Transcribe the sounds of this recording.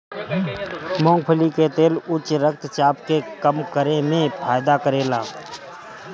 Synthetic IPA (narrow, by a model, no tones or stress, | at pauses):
mõːŋɡ̚pʰəliket̪eːlʊt͡ʃɾəkt̪t͡ʃaːpkekəmkəɾemẽpʰaːjd̪akəɾeːlaː